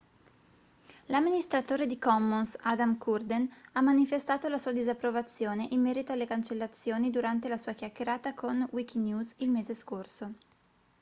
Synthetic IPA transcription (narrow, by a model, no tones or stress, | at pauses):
lamːinist̪ɾat̪oːɾed̪ikɔmːunsad̪amkʰurd̪enamːanifest̪aːt̪olasuːad̪izapːɾovat̪sːjoːneʔimːɛːɾit̪oalːekant͡ʃelːat̪sːjoːnid̪uɾant̪elasuːakjakːeɾaːt̪akʰonwik̟injuːzilmeːzeskorso